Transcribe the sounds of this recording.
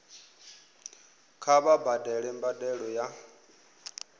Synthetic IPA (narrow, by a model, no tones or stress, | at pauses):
kʰaβabadɛɺɛmbadɛɺɔja